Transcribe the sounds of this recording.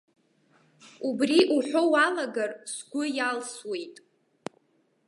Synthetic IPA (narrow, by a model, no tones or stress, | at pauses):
ubriʔuħᶣʷowalaɡarsɡʷʊjalswe̞jtʼ